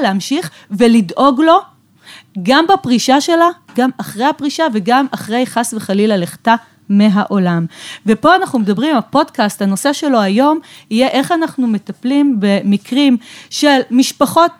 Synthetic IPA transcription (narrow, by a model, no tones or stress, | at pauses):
leamʃiχ | velidʔo̞ɡlo̞ | ɡambapʁiʃaʃe̞la | ɡamaχʁejhapʁiʃaveɡamaχʁejχasveχalilaleχta | meɦaʔo̞lamvepo̞anaχnumedɐbʁimalpo̞dkasthanose̞ʃe̞lo̞ajo̞mijeʔe̞χanaχnumetaplimbe̞mikʁimʃe̞lmiʃpaχo̞t̚